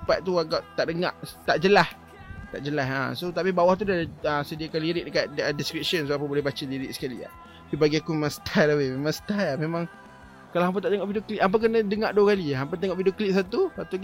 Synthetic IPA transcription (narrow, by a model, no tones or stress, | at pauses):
paʔ̚t̪uaɡaʔt̪aʔdəŋã̰ʔt̪aʔd͡ʒəlah | t̪a̰ʔd͡ʒəlaɦa̰sot̪apibawaht̪̬udaəsədiakaliɾɪʔ̚dəkaʔ̪̚ədiskɾip̚səns̬oap̬abolɛɦbat͡ʃaliɾɪʔsə̥kalḭa̰ | bibaɡiakumemãŋsə̥t̪ʰalawememãŋsə̥t̪aamemãŋ | kalaamp̬at̪aʔdəŋaʔbidoʔkliʔ̪amp̬akənãdəŋaʔduakaliaampat̪̬eŋɔʔbidoʔkliʔ̪̚s̬at̪usat̪u